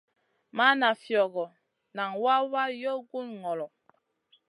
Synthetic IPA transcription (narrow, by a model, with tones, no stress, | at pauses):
ma˦na˨fjɔ˨ɣɔ˨ | na˨ŋwa˦wa˦jɔ˦ɡu˦nŋɔ˨lɔ˨